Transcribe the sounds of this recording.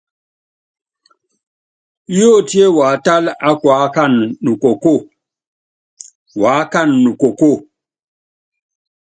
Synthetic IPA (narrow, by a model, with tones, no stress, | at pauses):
jo˦˨ti˦e˦wa˨˦ta˦la˦kwa˨˦ka˦nnu˨ko˨ko˦˨ | wa˨˦ka˦˨nːu˨ko˨ko˦˨